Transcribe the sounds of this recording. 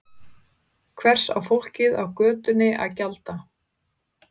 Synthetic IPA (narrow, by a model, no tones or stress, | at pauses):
kʰvɛr̥sa̰wfowl̥cɪðawkœːt̪ʏnːɪʔa̰ðcalt̪a